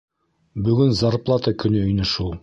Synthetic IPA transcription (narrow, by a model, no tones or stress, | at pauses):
bɵ̆ɡɵnzɑɾplˠɑt̪ɤkɵ̆nɵɵ̆jnɘ̆ʃu